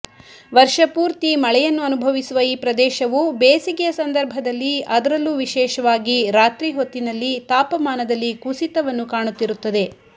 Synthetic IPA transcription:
ʋɐɾʂɐpuːɾt̪imɐɭɛjɐnːuɐnubʱɐʋisuʋɐiːpɾɐd̪ɛːʃɐʋubeːsiɡɛjɐsɐnd̪ɐɾbʱɐd̪ɐlːiɐd̪ɐɾɐlːuːʋiʃɛːʃɐʋaːɡiɾaːt̪ɾiːɦot̪ːinɐlːit̪aːpɐmaːnɐd̪ɐlːikusit̪ɐʋɐnːukaːɳut̪ːiɾut̪ːɐd̪e̞

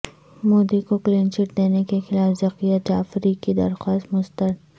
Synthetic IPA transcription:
moːd̪ikokleːnt͡ʃɪʈ̚d̪eːnekexɪlaːfzɐqijad͡ʒaːfɾikid̪ɐ̰ɾxwaːst̪mʊst̪əɾ

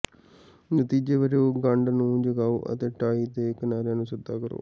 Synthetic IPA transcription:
nət̪iːd͡ʒeːʋəd͡ʒeoːɡəɳɖnũːd͡ʒəɡaːoːʔə̰t̪eːʈaːiːd̪eːkənaːɾjãːnũːsəd̪ːaːkəɾo̰ː

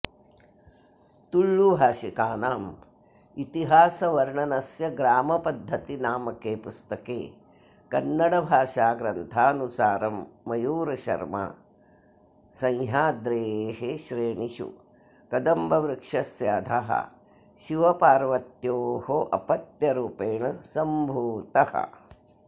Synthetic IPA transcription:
t̪uɭːubʱaːʃikaːnaːm | it̪iɦaːsɐʋɐɾɳɐnɐsjɐɡɾaːmɐpɐd̪ʱːɐt̪inaːmɐkeːpust̪ɐkḛː | kɐnːɐɽɐbʱaːʃaːɡɾɐnt̪ʰaːɐnusaːɾɐmːɐjuːɾɐʃɐ̰ɾmɐ̰ | sɐ̃jɦaːd̪ɾeːɦeʃɾeːɳiʃṵ | kɐd̪ɐmbɐʋɾɪkʂɐsjaːd̪ʱɐɦɐ̰ | ʃiʋɐpaːɾʋɐt̪joːhoʔɐ̰pɐt̪jɐɾuːpeːɳɐsɐmbʱuːt̪ɐhɐ̰

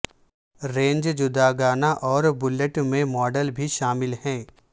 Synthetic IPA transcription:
ɾẽːɲd͡ʒd͡ʒʊd̪aɡaːnaʔɔːɾbʊləʈmẽmɔːɖəlbʱiʃaːmɪlhɛ̃ː

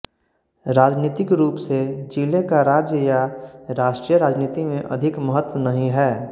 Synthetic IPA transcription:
ɾaːd͡ʒniːt̪ɪkɾuːpsed͡ʒiːlekaɾaːd͡ʒjəjaɾaːʃʈɾiːjəɾaːd͡ʒniːt̪imẽʔɐ̰d̪ʱɪkməɦət̪ːwənɐɦĩɦɛː

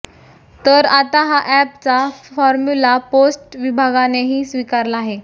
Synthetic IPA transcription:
t̪əɾat̪aɦaʔɛpt͡safɔɾmulaposʈʋibʱaɡaneɦiːsʋikaɾlaːɦe

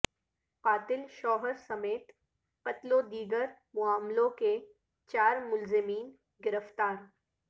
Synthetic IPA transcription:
qaːt̪ɪlʃɔːɦəɾsɐmeːt̪ | qɐt̪lod̪iːɡəɾ | mʊaːmlõke | t͡ʃaːɾmʊlzɪmiːn | ɡɪɾəft̪aːɾ

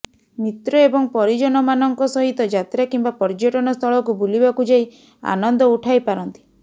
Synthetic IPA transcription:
mit̪ɾɔebɔŋpɔɾid͡ʒɔnɔmanɔŋkɔsɔɦit̪ɔd͡ʒat̪ɾakimbapɔɾd͡ʒɔʈɔnɔst̪ʰɔɭɔkubulibakud͡ʒaj | a̰nɔnd̪ɔuʈʰajpaɾɔnt̪i̥

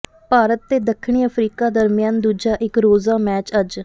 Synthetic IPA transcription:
paːɾət̪ːeːd̪əkʰːɳ̃iːəpʰɾiːkaːd̪əɾmjaːnd̪uːd͡ʒaːʔɪkɾoːzaːmɛːt͡ʃəd͡ʒ

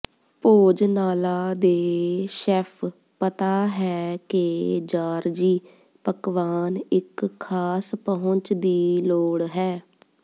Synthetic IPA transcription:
poːd͡ʒnaːlaːd̪eːʃɛːpʰ | pət̪aːɦɛːked͡ʒaːɾd͡ʒiː | pəkʋaːnɪkʰːaːspəɦʊ̃ɲt͡ʃd̪iːloːɽɦɛː

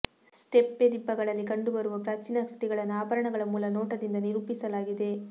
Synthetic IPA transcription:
sʈepːed̪ibːɐɡɐɭɐlːikɐɳɖubɐɾuʋɐpɾaːt͡ʃiːnɐkɾit̪iɡɐɭɐnaːbɐɾɐɳɐɡɐɭɐmuːlɐnoːʈɐd̪ind̪ɐniɾupisɐlaːɡid̪e̞

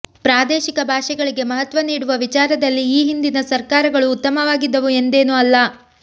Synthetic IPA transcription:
pɾaːd̪ɛːʃikɐbʱaːʂɛɡɐɭiɡe̞mɐɦɐt̪ʋɐniːɽuʋɐʋit͡ʃaːɾɐd̪ɐlːiːɦind̪inɐsɐɾkaːɾɐɡɐɭuːt̪ːɐmɐʋaːɡid̪ːɐʋue̞nd̪e̞ːnuɐlːɐ

